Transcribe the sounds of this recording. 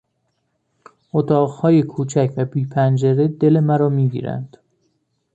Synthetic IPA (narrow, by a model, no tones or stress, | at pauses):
ʔot̪ʰɒːʁhɒːje̞kʰuːt͡ʃʰæcʰvæbiːpʰænd͡ʒeɾed̪elemæɾɒːmiːɟḭːɾæ̰nd̪̥